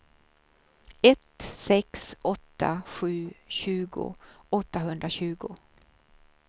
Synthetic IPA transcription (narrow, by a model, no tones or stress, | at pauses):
ɛt̪sɛksɔt̪ʰːa̰ɧʉ̟ːɕʉ̟ːɡʊ̰ɔt̪ːaɦɵnd̪ɾaɕʉ̟ːɡʊ